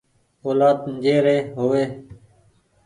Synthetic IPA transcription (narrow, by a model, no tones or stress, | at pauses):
oːlaːt̪nd͡ʒeːɾeːɦoːʋeː